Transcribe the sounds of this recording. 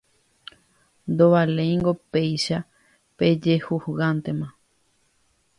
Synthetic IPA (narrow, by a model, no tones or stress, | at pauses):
nd̪oβalẽjŋɡope̞jʃa | pe̞d͡ʒehuhɣant̪e̞mã